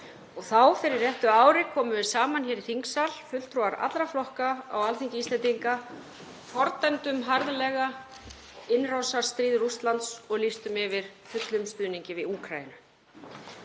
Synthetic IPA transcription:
ɔɣθawfɪɾɪɾjɛht̪ʏaːwɾɪkʰɔːmʏvɪsaːmançɛːɾiθiŋksal̥fʏl̥t̪ʰɾɔwaɾa̰t̪lɾaflɔhkaawalθiɲcɪist̪ɛnt̪iŋka | fɔɾt̪ant̪ʏmɦaɾðalɛɣa | ɪnrawsaɾ̥st̪ɾiːðrust̪lant̪sɔɣlist̪ʏmɪvɪɾ̥fʏt̪lʏmst̪ʏːniɲcɪvɪðuːkʰɾajɪnʏ

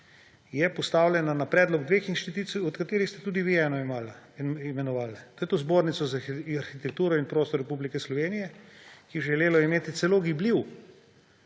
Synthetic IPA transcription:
jɛpɔst̪aːwlʲɛnanapɾɛːd̪lɔɡd̪ʋeːxinʃt̪it̪uːt̪siɔt̪kat̪eːɾixst̪ɛt̪uːd̪iʋiɛːnɔimaːlimɛnɔʋaːlt̪ojɛt̪ozboːɾnit̪sɔzaaɾxit̪ɛk̚t̪uːɾɔinpɾoːst̪ɔɾɛpublikɛslɔʋeːnijɛkiɛʒɛleːlɔimeːt̪it̪sɛloːɡibliw

